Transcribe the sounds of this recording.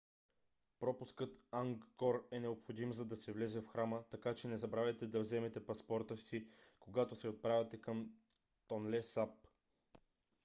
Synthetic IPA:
pɾɔpʊskɤt̪aŋɡkɔɾɛnɛopxod̪imzɐd̪ɐsɛvlɛzɛfxɾamət̪ɐkat͡ʃɛnɛzɐbɾavʲɛt̪ɛd̪ɐvzɛmɛt̪ɛpɐspɔɾt̪əfsikoɡat̪osɛot̪̚pɾavʲɛt̪ɛkəm | t̪onlɛsap

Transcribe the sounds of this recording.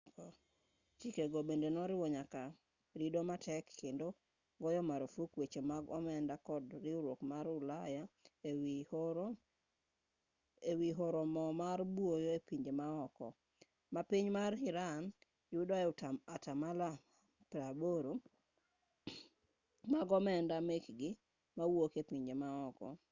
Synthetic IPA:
kɔ | t͡ʃikeɡɔbendenɔɾɪwɔɲaka | ɾidomatʰɛkːendo | ɡɔjɔmaɾofukwet͡ʃemaɡɔmɛndakɔdɾɪuɾokmaɾʊlaja | ewiɦoɾɔmɔmaɾbwojɔepiɲd͡ʒemaɔkɔ̰ | mapiɲmarɪɾan | jʊdɔɛʊtamatamala | pɾaboɾo | maɡɔmɛndamekɡɪ | mawokepiɲd͡ʒemaɔkɔ̰

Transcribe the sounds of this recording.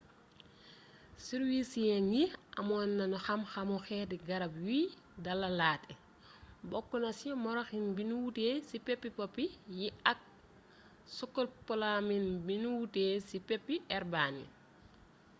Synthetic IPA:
siɾwisijɛŋɡiʔɐmɔnːɐnuxɐmxɐmɔxɛdiɡɐɾɐbjwiː | dɐlɐlaːtɛ | bɔkːɔnɐsimɔɾaxinbinuwuteːsipɛpːipɔpːijiɐk̚ | sɔkːɔlpɔlaminbinuwuteːsipɛpːiɛɾbaːnḭ

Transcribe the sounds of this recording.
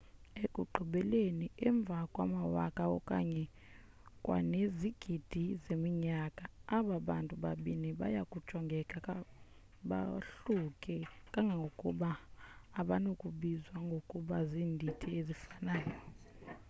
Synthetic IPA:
ekʼuǃʱuɓɛleniɛɱb̪vʱakʼwa̰mawakʼaɔ̰kʼa̰ɲɛ | kʼwa̰neziɡ̥ʱid̥ʱizemiɲakʼaaɓaɓantʼuɓaɓiniɓa̰jakʼud̥ʒ̥ʱɔŋɡʱɛkʼa | ɓa̰ɬukʼɛkʼaŋɡʱaŋɡʱokʼuɓaː | ɓanokʼuɓizwaŋɡʱokʼuɓaziːndʱitʰiezifanaːjɔ

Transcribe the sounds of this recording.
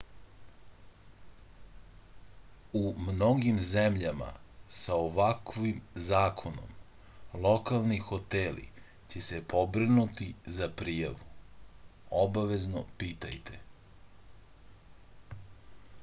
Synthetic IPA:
umno̞ɡimzemʎama̰saoʋakʋimzaːkʰo̞no̰m | lˠo̞kalˠnixo̞t̪elḭ | t͡ɕesepʰo̞bɾinut̪izapɾiːja̰ʋu | obaʋe̞zno̰piːt̪a̰jt̪ʰḛ

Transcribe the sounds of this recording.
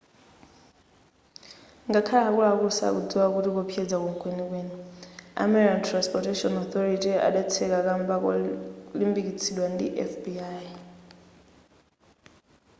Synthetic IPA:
ŋɡakʰalaɦakulakusa̰kud͡ziwakutikɔpʰjɛd͡zakuŋkʰʼwenikwenia̰mɛɾikantʰɾanspɔtɛtɔnɔθɔɾitia̰ɗat͡sʰɛkakambakɔ̰limbikit͡sʰiɗwandḭʔɛ̰fbiaj

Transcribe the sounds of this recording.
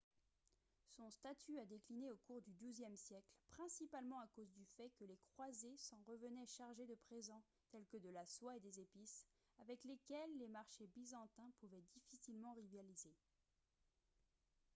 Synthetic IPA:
sɔ̃st̪at̪ʰyad̪eklineokuʁd̪yd̪uzjɛmsjɛklpχɛ̃sipalmɑ̃akozd̪yfɛkəlekχwazesɑ̃ʁəvənɛʃaʁʒed̪əpχezɑ̃ | t̪ɛlkəd̪əlaswaed̪ezepis | avɛklekʲɛlːemaʁʃebizɑ̃t̪ɛ̃puvɛd̪ifisilmɑ̃ʁivjalize

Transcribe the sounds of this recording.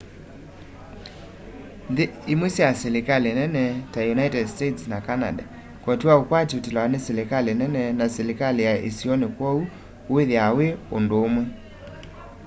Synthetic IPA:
ðeːmwesjaselekalenɛnɛtajunaitɛdstetsnakana̰da̰ | kwɔtwaokwatotelaneselekalenɛnɛnaselekalejaʔḛsiɔnekwɔu | weðeaweondoːmwɛ

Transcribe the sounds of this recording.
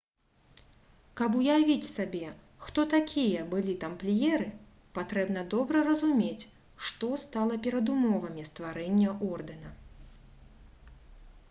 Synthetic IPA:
kɐp̬ujavʲit͡sʲsabʲɛ | xt̪ɔt̪akʲʰijɐbɨlʲit̪amplʲijɛɾɨ | pat̪ɾɛbn̪ɐd̪ɔbɾɐrɐzumʲet͡sʲ | ʂt̪ɔst̪alˠɐpʲɛɾɐd̪umɔvɐmʲist̪vaɾɛnʲːɐʔɔrd̪ɛnɐ

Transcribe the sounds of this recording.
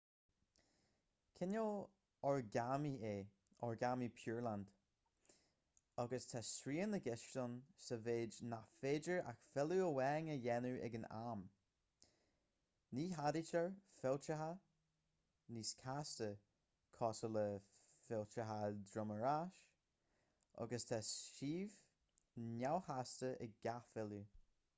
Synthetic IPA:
kʰɪnoː | ɔɹɡamieː | ɔɹɡamipʰjuːɹland̥ | aɡəstʰasɾiːənəɡɪʃtənsəveːd͡ʒnafeːd͡ʒəɹʔa̰xfɛluəwɛːŋəjɛnuʔɛ̰ɡəna̰m | niːɦadit͡ʃəɹfɪlt͡ʃəɦa | niːskʰastə | kʰɔsələ | fɪlt͡ʃəɦadɹʊməɹaʃ | ʔɔ̰ɡəstʰɛsʃiːv | nawhastəʔɪ̰ɡ̚ɡafɪlu

